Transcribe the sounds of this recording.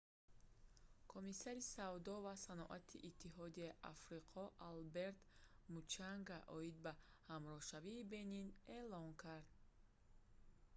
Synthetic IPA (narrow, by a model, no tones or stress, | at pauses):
kʰomisaɾisavd̪ɔvasanɔʔat̪ʰiʔit̪ʰːiɦɔd̪iaiʔafɾiqʰɔʔalbe̞ɾt̪mut͡ʃaŋɡaʔɔid̪̚ba | hamɾɔʃaviːbe̞nine̞lɔŋkʰaɾd̪